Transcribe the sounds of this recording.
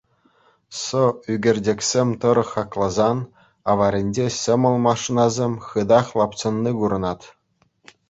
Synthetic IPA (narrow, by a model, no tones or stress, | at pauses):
sɤyɡʲĕrʲdʲekʲsʲemʲt̪ɤ̆ɾɤ̆χɑklˠɑzɑn | ɑʋɑɾʲĕnʲd͡ʑeɕʲɘ̆mɤ̆lˠmɑʂinɑzʲemʲχɯd̪ɑχlˠɑpsɤ̆nːiɡuɾɤ̆nɑt̪